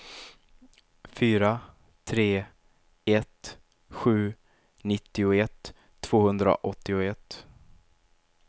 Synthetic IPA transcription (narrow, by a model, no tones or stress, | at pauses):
fyːɾa | t̪ʰɾeː | ɛt̪ | ɧʉ̟ː | nɪt̪ːɪʊɛt̪ʰː | v̥oːhɵnd̪ɾa̰ʔɔt̪ːɪʊɛt̪ː